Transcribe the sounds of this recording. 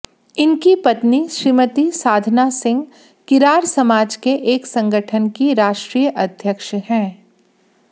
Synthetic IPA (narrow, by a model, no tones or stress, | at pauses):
ɪnkipɐt̪niʃɾimət̪isaːd̪ʱnasɪ̃ŋɡ | kɪɾaːɾsɐmaːd͡ʒkeʔeːksɐ̃ŋɡəʈʰənkiɾaːʃʈɾiːjəʔɐd̪ʱjəkʃhɛ̃ː